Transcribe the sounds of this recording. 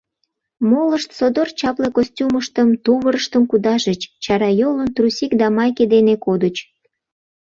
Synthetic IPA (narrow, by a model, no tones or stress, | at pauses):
moləʃt̪sod̪ort͡ɕɑplekosʲtʲuməʃt̪əmt̪uβəɾəʃt̪əmkud̪ɑʒət͡ɕt͡ɕɑɾɑjolənt̪rusʲikd̪ɑmɑjked̪enekod̪ət͡ɕ